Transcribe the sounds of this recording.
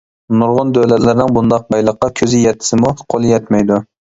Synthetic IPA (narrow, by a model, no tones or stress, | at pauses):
noɾʁʊnd̪øwlɛt̪lɪɾɪnɪŋbund̪ɑq̚bɑjlˠəqːɑkʲʰøzɪjɛt̪ʰːɪ̥sɪmuqʰolˠjɛt̪mɛjd̪u